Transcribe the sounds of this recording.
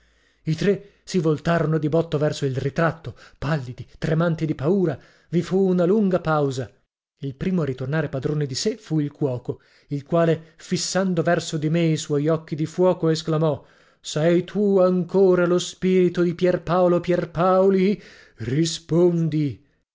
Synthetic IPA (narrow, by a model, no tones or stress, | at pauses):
it̪ɾe | sivolt̪aːɾonod̪ibɔt̪ːovɛrsoilrit̪ɾat̪ːopalːid̪it̪ɾemant̪id̪ipauːɾa | vifuːnaluŋɡapawza | ilpɾiːmoaɾit̪ornaːɾepad̪ɾoːned̪isefuilkwɔːko | ilkwaːlefisːand̪ovɛrsod̪imeiswɔjɔk̟ːid̪ifwɔːkoesklamɔ | sɛjt̪ʰuaŋkoːɾalospiːɾit̪od̪ipjɛrpaolopjɛrpaoli | rispond̪i